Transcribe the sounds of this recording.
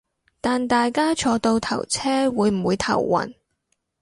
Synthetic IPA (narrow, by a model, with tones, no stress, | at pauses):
t̪aː˨nt̪aː˨jkaː˥t͡ʃʰɔː˨˧t̪o˧wt̪ʰɐ˨˩wt͡sʰɛː˥wuː˨˧jm̩˨˩wuː˨˧jt̪ʰɐ̰˨˩wːɐ̰˨˩n